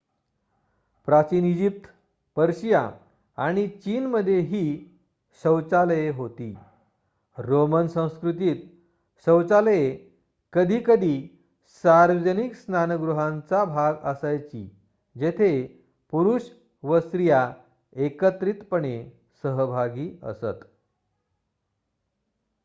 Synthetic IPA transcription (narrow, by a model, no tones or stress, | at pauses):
pɾat͡ɕiːnid͡ʑip̚t̪ | pəɾɕija̰ | aɽ̃it͡ɕiːnməd̪ʱːjeɦiː | ɕəwt͡saləjeɦot̪ḭː | ɾomənsə̃w̃skɾut̪iːt̪ | ɕəwt͡saləje | kəd̪ʱiːkəd̪ʱiː | saɾʋəd͡ʑəniksnanəɡɾuɦãnt͡sabʱaɡəsajt͡ɕḭ | d͡ʑet̪ʰe | puɾuːɕ | ʋəsɾija | ekət̪ɾiːt̪pəɳe | səɦəbʱaɡiːə̰sə̰t̪